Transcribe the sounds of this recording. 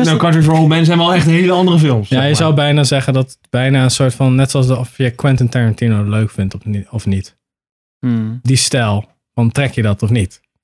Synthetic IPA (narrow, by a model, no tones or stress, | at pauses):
nakɑtəɹsɹowlˠd̚mɛ̃ns̬ɛjɔlˠɛχtɦejləɑndərəfɪlˠmsjajəzawbɛjnaːzɛχəndɑtətb̥ɛjnaːənsʊːɹtfɑnːɛtsʊɑsɔfjəkwɪntəntɛɹəntinoløɥkfɪntɔfɔfnit | distɛlˠ | fɑntrɛkjədɑtɔfnit